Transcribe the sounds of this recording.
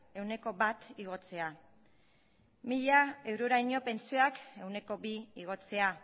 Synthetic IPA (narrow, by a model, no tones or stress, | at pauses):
e̞wne̞ko̞βat̪iɣ̞o̞t͡se̞a | miʎae̞wɾoɾajɲo̞pe̞nt͡sioake̞wne̞ko̞biiɣ̞o̞t͡se̞a